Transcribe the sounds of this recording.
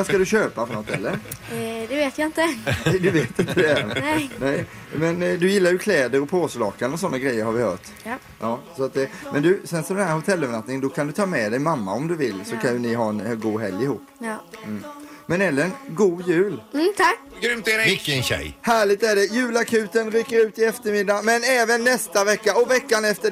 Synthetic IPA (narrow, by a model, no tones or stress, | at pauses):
vaskad̪ɵɕøːpafɔnɔt̪hɛlːəɾd̪ɛveːt̪jaɪnt̪ənɛd̪ɵveːt̪ɪnt̪ʰəd̪ɛænɛɪ | mɛnd̪ɵjɪlːajɵkʰlɛːd̪əɾɔpʰoːslɑːkanɔsɔnːaɡɾɛjːəɾhaɾvɪhœ̰ːʈ | ʔɑːsɔat̪̚ɛmʔɛnd̪ɵsɛnsɔd̪ɛnhæɾhʊt̪ʰɛlːœvənat̪nɪŋənd̪ɔkʰand̪ɵt̪ʰɑːmɛd̪ɛjmamːa̰ɔmd̪ɵvɪlːsɔkʰanjɵnɪɦɑːɛnɡuːɦɛ̰ljɪhuːp̩ː | mɛnɛlːəɾɛnɡuːjʉ̟ːlʰ | ɡɾʏmt̪ɛɾɛɪkːɛnɕɛ̰jhæːɭɪɡ̚t̪æɖɛjʉ̟ːlakʰʉ̟ːt̪ənɾʏkːəɾʉ̟ːt̪ɪɛft̪əɾmɪd̪ːamɛnɛːvənːɛst̪avɛkːaɔvɛkːanɛft̪ə